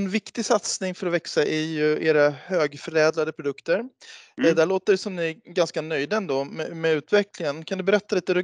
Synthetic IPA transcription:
nvɪkt̪ɪsat̪snɪŋfœɾɔvɛksaʔæjɵeːɾahøːɡfœɾɛːd̪lad̪əpʰɾʊd̪ɵkt̪əɾd̪æɭoːt̪əɖɛsɔmnɪɡanskanœjd̪ənd̪ɔmɛmɛʉ̟ːt̪vɛklɪŋənkʰand̪ɵbɛɾɛt̪ːaliːt̪əɾɵ

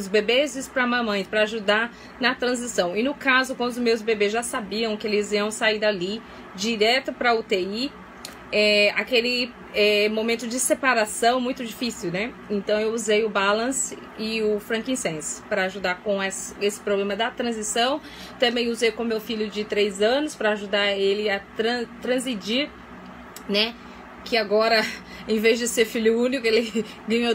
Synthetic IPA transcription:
ʊzbebezɪspɾɐmɐ̃mɐ̃j̃pɾɐaʒud̪a | nɐt̪ɾɐ̃zisɐ̃w̃ɪnʊkazʊkwɐ̃d̪ʊzmewzbebezʒasabiɐ̃w̃kɪelɪziɐ̃w̃said̪ali | d͡ʒiɾɛt̪ʊpɾɐʊt̪ei | ɛakelɪ | ɛmõmẽnt̪ʊd͡ʒɪsepaɾasɐ̃w̃mũj̃t̪ʊd͡ʒifisiwnɛ | ẽnt̪ɐ̃w̃ewuzejʊbalɐ̃sɪ | ɪʊfɾɐ̃ŋkĩsẽspɾɐaʒud̪akõɛsɐesɪ̥pɾoblẽmɐd̪ɐt̪ɾɐ̃zisɐ̃w̃ | t̪ɐ̃mbẽj̃uzejkõmewfiʎʊd͡ʒɪt̪ɾejzɐ̃nʊspɾɐaʒud̪aɾelɪɐt̪ɾɐ̃t̪ɾɐ̃zmid͡ʒiɾ | nɛ | kɪaɡɔɾɐ | ẽj̃vezd͡ʒɪseɾfiljʊũnikʊelɪ | ɡɐ̃ɲo

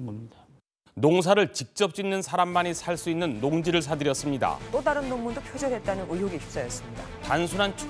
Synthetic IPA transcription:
noŋs̬ʰaɾɯɭt͡ɕik̚t͡ɕ͈ʌp̚t͡ɕ͈inːɯnsʰaɾamːanesʰaɭs͈uinːɯnːoŋd͡ʑiɾɯɭs̬ʰadɯɾjʌs͈ɯmɲida̰t͈odaɾɯnːommːundopʰjod͡ʑʌɦe̞t̚t͈anɯnʔuɦoɡiɕʰi̥p̚s͈ajʌs͈ɯmɲida̰tansʰunɦant͡ɕʰ

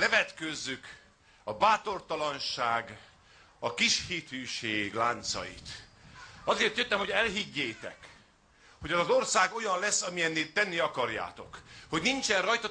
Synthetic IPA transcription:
lɛvɛt̪køzːyk | ɒbaːt̪o̞rt̪ɒlɒnʃaːɡ | ɒkiʃhit̪yːʃeːɡlaːnt̪sɒ̰jḭt̪ | ɒzeːrt̪jøt̪ːɛmɦo̞ɛlɦiɟːeːt̪ɛ̰k | ho̞ɟɛzɒzo̞rsaːɡo̞jɒnlɛsːɒmijɛnːeːt̪ːɛnːiɒkɒrja̰ːt̪o̞̰kho̞ɟnint͡ʃɛnrɒjt̪ɒ

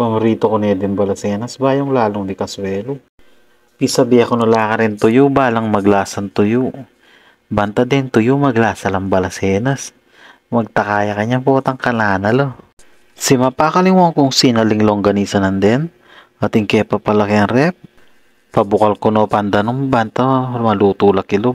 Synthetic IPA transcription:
pɐmɾiːt̪okonɛd̪ɪnbɐlɐsɛːnɐsbaːjoŋlaːloŋnɪkɐswɛːlo | pisɐbiɐkonʊlaːkɐɾɪnt̪ʊjubaːlɐŋmɐɡlaːsɐnt̪ʊjo | bɐnt̪ɐd̪ɛnt̪ʊjomɐɡlaːsɐlɐmbɐlɐsɛːnɐs | mɐɡ̚t̪ɐkaːjɐkɐɲapoːt̪ɐŋkɐnaːnɐlo | sɪmɐpakɐlɪŋwoŋkʊŋsiːnɐlɪŋloŋɡɐniːsɐnɐnd̪ɛn | mɐt̪ɪŋkɛpɐpɐlɐkɪɐŋɾɛp̚ | pɐbʊkɐlkonopɐnd̪ɐnombɐnt̪amɐluːt̪uːlɐkɪlo

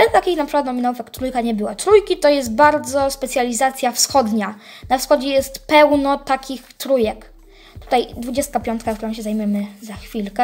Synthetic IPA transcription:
ɛt̪akʲixnapʂɨkwat̪nɔmʲinawufjakt̪ɾujkaɲɛbɘwat̪ɾujkʲit̪ɔjɛs̬t̪̚baɾd̪zɔspɛt̪sʲjalʲizat̪sʲjafsxɔd̪ɲanafsxɔd͡ʑɛjɛst̪pɛwnɔt̪akʲixt̪ɾujɛk | t̪u̥t̪ajd̪vud͡ʑɛst̪kapʲjɔnt̪̚kakt̪uɾɔ̃ɕɛzajmʲjɛmɘzaxfʲilkɛ

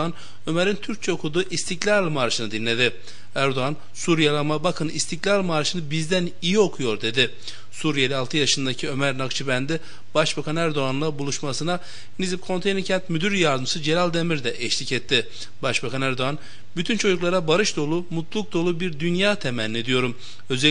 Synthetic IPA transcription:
an | ø̞meɾint̪ʰyɾc̚t͡ʃʰɛokʰud̪uːʔist̪ʰiclʲaɾˠmaɾʃɯnɯd̪inlʲe̞d̪ɪ | æɾd̪oan | suɾijalˠamabakʰɯnist̪ʰiclʲaɾlˠmaɾʃɯnɯbizd̪æn | ijio̞kʰujo̞ɾd̪e̞d̪ɪ | suɾijelʲialˠt̪ʰɯjaʃɯnd̪acʰiø̞mæɾnakt͡ʃʰɯbænd̪i | b̥aʃbakʰanæɾd̪oanlˠabulˠuʃmasɯna | nizip̚kʰo̞nt̪ʰejniɾcʰɛnt̪myd̪yɾjaɾd̪ɯmsɯd͡ʒe̞ɾalʲd̪emiɾd̪ɛʔɛʃlʲicɛt̪ʰːɪ | baʃbakʰanæɾd̪o̞an | byt̪ʰynt͡ʃʰo̞d͡ʒuklˠaɾabaɾɯʃd̪o̞lˠumut̪lˠuk̚d̪o̞lˠubiɾd̪ynjaːt̪ʰemænːʲed̪ijo̞ɾum | ø̞zɛ

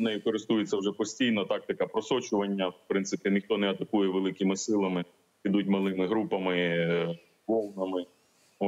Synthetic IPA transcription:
nɛjikɔɾɪst̪ujet͡sʲːɐwʒɛpɔsʲtʲijnɔt̪ɑk̚t̪ɐkɐpɾɔsɔt͡ʃʊʋɐnʲːɐpɾɪnt̪sɪpʲinɪxt̪ɔnɛɐt̪ɐkujɛʋelˠɪkɪmɪsɪlˠɐmɪ | id̪ut̚ʲmɐlˠɪmɪɦɾupɐmɪ | ʋɔlˠnɐmɪ

